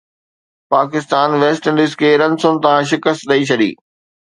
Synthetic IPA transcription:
paːkɪst̪aːnʋeːsʈə̃nɖɪskʰeːɾɐ̃nsʊ̃nɪ̆t̪ɐɦãʃ̬ɪkəst̪ɗɐit͡ɕʰɐɗḭː

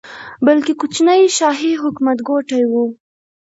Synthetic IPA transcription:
balkekut͡ʃnəjʃɑɦiɦʊkmat̪ɡoʈajwu

